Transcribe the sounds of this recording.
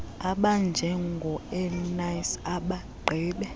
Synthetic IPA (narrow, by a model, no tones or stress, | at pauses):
aɓand͡ʒʱɛŋɡʱɔɛnajsaɓaɡ͡ǃʱiːɓɛ